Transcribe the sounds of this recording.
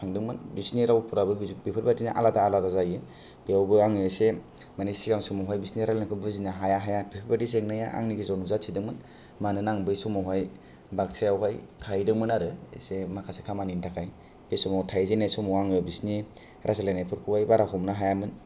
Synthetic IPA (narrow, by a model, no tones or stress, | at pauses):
pʰaŋdɯŋmɯnbisniɾawpʰuɾabɯbipʰɯɾbadinaʔa̰lataːladazajɯ | b̥ijawbɯaŋiese | manisiɡaŋsɔmawɦajbisniɾalenakʰɯbɯzinaɦajaɦajabipʰɯɾbadis̬eŋnaja̰ʔa̰ŋniɡizanuzatʰidɯŋmɯn | manɯnaŋbɯjsɔmawɦaj | bak̚sʰajawɦajtʰajdɯŋmɯnaɾɯ̰semakʰasekʰamanintʰakʰaj | bejsɔmɔtʰajzenasɔmɔaŋjabisni | ɾʔazalenajpʰɯɾkʰɯwajbaɾaɦɔmnaɦajamɯn